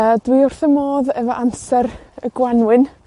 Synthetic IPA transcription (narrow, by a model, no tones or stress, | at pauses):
əːdwiʊr̥θəmoːðɛvɔʔamsɛɾəɡwanwɪn